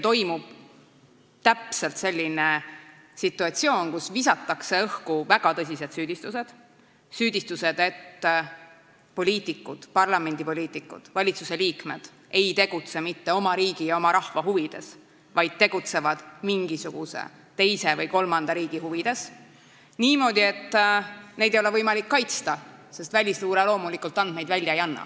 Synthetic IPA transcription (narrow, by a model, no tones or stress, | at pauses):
t̪o̞jmub̥ | t̪æpse̞lt̪se̞lʲːine | sit̪ːˑuɑt̪sio̞ːnkusvisɑt̪ːˑɑkse̞ɤhkuvæɡ̥ɑt̪ɤsʲise̞d̪syːd̪̥ist̪use̞d̪̥ | syːd̪̥ʲist̪use̞d̪e̞t̪ː | po̞lʲiːt̪ˑikːˑud̪̥pɑrlɑme̞nʲd̪̥ipo̞lʲiːt̪ːˑikːṵd̪̥vɑlʲit̪suse̞liːkme̞d̪̥ | e̞jt̪e̞ɡ̥ut̪se̞mit̪ːe̞o̞mɑɾiːɡ̥ijɑo̞mɑɾɑhvɑɦuvid̪̥e̞s | vɑjd̪̥̚t̪ːe̞ɡ̥ut̪se̞vɑd̪̥miŋɡ̥isuɡ̥usḛ | t̪e̞jse̞vɤjko̞lmɑnd̪̥ɑɾiːɡ̥ihuvid̪̥e̞s | niːmo̞ːd̪̥ʲie̞t̪ːne̞jd̪ejoevɤjmɑlikːɑjt̪st̪ɑse̞st̪vælʲisluːɾelo̞ːmulikːˑult̪ːˑɑnd̪̥̚me̞jd̪vælʲjɑejɑnːɑ̰